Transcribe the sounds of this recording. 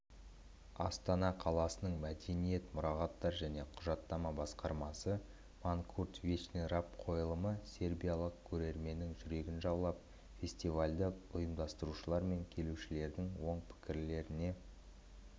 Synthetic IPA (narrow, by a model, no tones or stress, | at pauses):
ɑst̪ɑnɑqʰɑlˠɑsənəɴmæd̪e̞nije̞t̪mʊɾɑʁɑt̪ːɑɾʒæne̞qʰʊʒɑt̪ːɑmɑbɑsqɑɾmɑsə | maŋkʰurt̪vʲit͡ʃneɾapqʰo̞jəlˠəməse̞rbʲijalˠəq̚kʲʰɵɾe̞ɾme̞nːɪŋʒʏɾe̞ɡʲɪnʒɑblˠɑp̚ | fʲe̞sʲt̪ivalʲd̪ɪʊjəmd̪ɑst̪əɾuʃəlˠɑɾme̞ŋkʲʰe̞luʃɪle̞ɾd̪ɪŋwo̞ɴpʰɪ̥kʲɪɾle̞ɾɪne̞